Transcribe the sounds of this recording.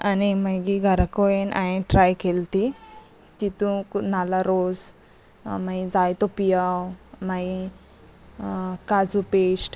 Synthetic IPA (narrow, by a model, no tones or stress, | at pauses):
animaɡiɡʱaɾakɔjenʔaẽʈɾajkelt̪i | tit̪ũnalaɾod͡z | maid͡zajt̪ɔpijawmai | kad͡zupesʈ